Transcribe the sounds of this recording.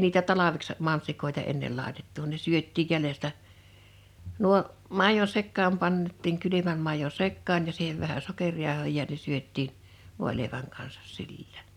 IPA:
niːtæ tɑlɑʋeks mɑnsikoˑetɑ enːel lɑˑetetːu ne syøtːiˑj jælestæ nuo mɑˑijon sekːɑːm pɑntˑiːŋ kylymæm mɑˑijo sekːɑːn jɑ siːheʋ ʋæhæ sokerʲjɑˑohoˑ jɑ ne syøtˑiːn ʋoˑe̝leˑiʋæŋ kɑnsɑ̥s sill̥æ̥ːn̥

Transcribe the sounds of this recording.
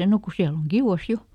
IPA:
no ku siæl oŋ ɡ̊iuw̆ɑs jo

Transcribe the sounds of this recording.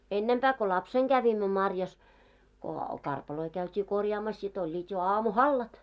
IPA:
enːempæː ko lɑpseŋ ɡ̊æʋimːø mɑrjɑs ko kɑrpɑloi kæytʲiː korʲjɑːmɑs sit olʲːiːt jo ɑːmuhɑlːɑt

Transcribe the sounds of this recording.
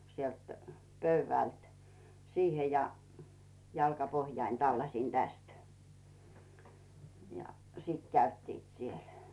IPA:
sielt pøyʋæˑlt siːhe jɑ jɑlkɑpohjɑin tɑlːɑsʲin tæst jɑ siˑt kæytːiːt siel

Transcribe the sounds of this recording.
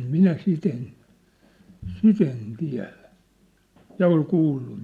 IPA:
minæ sit en sit en tiæ̝læ jɑ ol kuːlːu

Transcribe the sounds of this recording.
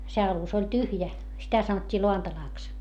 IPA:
se ɑlus olʲ tyhjæ sitæ sɑnotʲːiː loɑntɑlɑˑks

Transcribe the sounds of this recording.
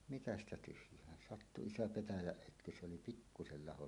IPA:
mitæ stæ tyhjˑæːn sɑtːu iso petæjæʔ ʔøtky se oli pikːusel lɑho

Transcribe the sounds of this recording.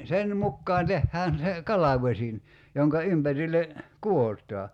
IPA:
sen mukːɑːn tehːæːn se kɑlɑʋosʲin joŋkɑ ympærilːe kuotˑɑː

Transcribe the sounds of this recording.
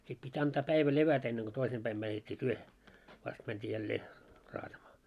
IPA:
sit pitʲ ɑntɑː pæiʋæ leʋætæ enːeŋ ɡ̊o toisem pæim mætetʲːi tyøhe ʋɑst mæntʲiː jælːeː rɑːtɑmɑː

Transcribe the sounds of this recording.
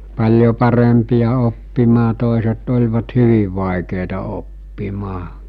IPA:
pɑlʲjo pɑrempijɑ opːimɑː toˑeset olʲʋɑt hyʋiʋ ʋɑˑekeˑitɑ opːimɑː

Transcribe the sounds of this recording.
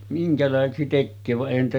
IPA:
miŋkælɑˑeseksi tekːøː ʋɑʔ ʔeˑihæn niːtæ

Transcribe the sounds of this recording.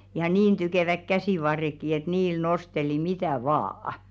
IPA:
jɑ niːn tykeˑʋæk kæsiˑʋɑrːekːi et niːl nosteli mitæˑ ʋɑːɑ̆

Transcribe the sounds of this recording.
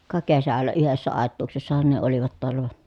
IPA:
kɑ kesælːæ yhesːæ ɑˑetˑuːksesːɑhɑn ne oliʋɑt toɑlːɑ ʋɑ

